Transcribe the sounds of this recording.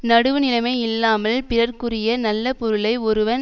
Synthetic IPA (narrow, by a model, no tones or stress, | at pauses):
nɐɽɯʋɯnɪlɐmɐɪɪlːaːmɐlpɪrɐɾkɯrɪjɐnɐlːɐpɔɾɯlɐɪɔɾɯʋɐn